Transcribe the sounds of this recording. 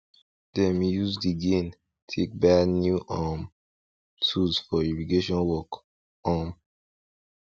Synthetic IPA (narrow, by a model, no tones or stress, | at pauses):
d̥ɛ̃mjuzdiɡẽn | tʰek̚banjuʔɔm | tʰulzfɔiɹiɡeʃɔ̃nwɔk | ɔm